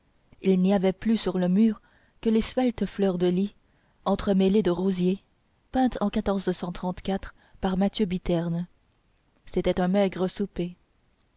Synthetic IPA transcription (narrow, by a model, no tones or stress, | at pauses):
ilniavɛplysyʁləmyːʁ | kəlesvɛlt̪flœʁd̪əli | ɑ̃t̪χəmeled̪əʁozje | pɛ̃t̪ʰɑ̃kat̪ɔʁzsɑ̃t̪χɑ̃t̪kat̪χ | paʁmat̪jøbit̪ɛʁn | set̪ɛt̪ɛ̃mɛɡʁəsupe